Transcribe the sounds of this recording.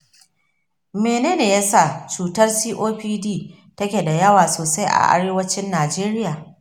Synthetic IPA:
meː˨neː˦neː˨jɐ˦sa˦˨t͡ʃuː˨tɐ˦rsiː˦ʔoː˦ɸiː˦diː˦˨ | tɐ˦kʲeː˨da˨jɐ˦waː˨soː˨sa˦jʔa̰˨ʔa̰˦ɽeː˦wɐ˦t͡ʃɪ˦nːaː˨d͡ʒeː˦ɾɪ˦jaː˨

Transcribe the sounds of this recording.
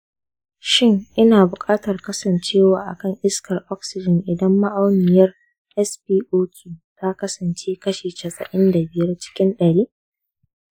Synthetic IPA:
ʃɪ˦ŋʔɪ˦naː˨bʊ˨kʼaː˦tɐ˨rkɐ˦sɐ˨nt͡ʃeː˦waː˨ʔa̰˨kɐ˦˨ŋʔɪ˦skʰɐ˨rʔɔ˦k̚sɪ˨d͡ʒɪ˨nʔɪ˨dɐ˦mːa˦ʔa˦wnɪ˨jɐ˦r | ʔɛ˦spiː˦ʔoː˦kʲʰiː˨ta˦kɐ˦sɐ˨nt͡ʃeː˦kɐ˦ʃeː˨t͡ʃɐ˨sʼɐ̰˨ʔɪ˦nda˨bɪ˨jɐ˦rt͡ʃɪ̥˦kʲɪ˦nɗɐ˨ɽiː˦

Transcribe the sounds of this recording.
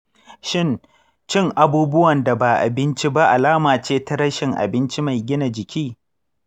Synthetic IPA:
ʃɪ˦˨n | t͡ʃɪ˦ŋʔa˨buː˦bʊ˦wɐ˨nda˨ba˨ʔa̰˨bɪ˦nt͡ʃi˦ba˦ʔa˨laː˦maː˨t͡ʃeː˦ta˦ɽɐ˦ʃɪ˨ŋʔa̰˨bɪ˦nt͡ʃi˦ma˨jɡʲɪ˦na˨d͡ʒɪ˨kʲʰiː˦

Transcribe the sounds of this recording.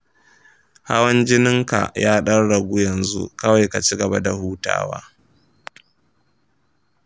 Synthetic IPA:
ha˦wɐ˦nd͡ʒɪ˦nɪ˦ŋka̰˨jaː˦ɗɐ˦ɽɽɐ˨ɡʷu˦jɐ˨nzṵ˦kɐ˦wa˨jka˨t͡ʃi˦ɡɐ˨ba˦da˨huː˦ta̰ː˦wa̰ː˦

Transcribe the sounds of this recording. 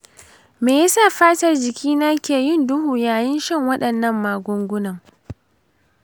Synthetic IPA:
meː˨ja˦saː˦˨ɸaː˦tɐ˨rd͡ʒɪ˨kʲʰiː˦naː˦kʲeː˨jɪ˦˨ndʊ˦ɦuː˨jaː˨jɪ˦nʃɐ˦˨ŋwɐ˦ɗɐ˨nːɐ˦mːaː˨ɡʷʊ˦ŋɡʷʊ˦nɐ˨ŋ

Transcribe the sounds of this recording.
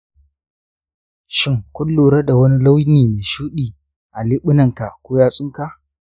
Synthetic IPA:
ʃɪ˦ŋkʷʊ˦lːoː˨ɾɐ˦da˨wɐ˦ni˦la˦wjniː˨meː˨ʃuː˦ɗiː˨ | ʔa˨lɪ˦ɓʊ˦nɐ˨ŋka˨ʔkʷoː˦jaː˦sʼʊ˦ŋka˦˨ʔ

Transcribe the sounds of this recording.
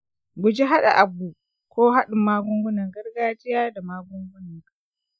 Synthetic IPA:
ɡʷʊ˨d͡ʒi˦ɦa˦ɗa̰˨ʔa˨bːuː˨ | kʷoː˦ɦa˦ɗɪ˨mːaː˦ɡʷʊ˦ŋɡʷʊ˦nɐ˨ŋɡɐ˦rɡaː˦d͡ʒɪ˦jaː˦da˨maː˦ɡʷʊ˦ŋɡʷʊ˦nɐ˨ŋka˨

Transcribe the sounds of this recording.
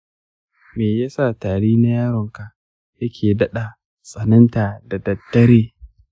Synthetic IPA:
meː˨ja˦sa˦˨taː˨ɽiː˦na˦jaː˦ɾɔ˨ŋka˨ | jɐ˦kʲʰeː˨dɐ˦ɗa˨ | sʼɐ˨nɐ˦nta˨da˨dɐ˨tːɐ˦ɾeː˦

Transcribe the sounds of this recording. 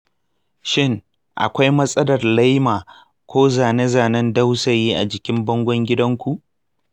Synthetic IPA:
ʃɪ˦ŋ | ʔa̰˨kʷa˦jmɐ˦sʼɐ˦dɐ˨rla˦jmaː˨ | kʷoː˦zaː˨ne˦zaː˨nɐ˦nda˦wsa˨jiː˦ʔa˨d͡ʒɪ˨kʲɪ˦mbɐ˦ŋɡʷɔ˦ŋɡʲɪ˦dɐ˦ŋkʷu˨ʔ

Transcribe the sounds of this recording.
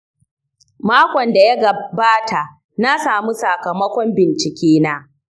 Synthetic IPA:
maː˦kʷɔ˨nda˨ja˦ɡɐ˨baː˦tʰa˨ʔ | na˦saː˨mu˦sɐ˨kɐ˨mɐ˦kʷɔ˦mbɪ˨nt͡ʃɪ˨kʲeː˦naː˦

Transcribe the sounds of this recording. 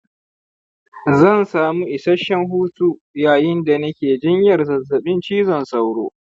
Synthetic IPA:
zɐ˦˨nsaː˨mu˦ʔɪ˨sɐ˦ʃɐ˦ŋɦuː˦tuː˦ | jaː˨jɪ˦nda˨nɐ˦kʲeː˨d͡ʒɪ˦ɲjɐ˨rzɐ˨zːɐ˨ɓɪ˦nt͡ʃiː˦zɔ˨nsɐ˨wɽo̰ː˦

